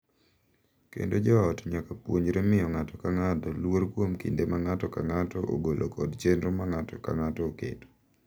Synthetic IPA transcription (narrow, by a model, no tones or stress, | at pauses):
kḛndod͡ʒɔaɔtɲakapwoɲd͡ʒɾemɪɔŋatɔkaŋatɔlwoɾkwomkḭndemaŋatɔkaŋatɔʔo̰ɡolʔokʰɔdt͡ʃenɾomaŋatɔka̰ŋatɔokḛto̥